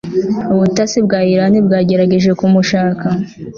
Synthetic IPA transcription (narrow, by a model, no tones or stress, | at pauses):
uβutasibɡaːjiɾanibɡaːɟe̞ɾaɟe̞ʒe̞kumuʃaːka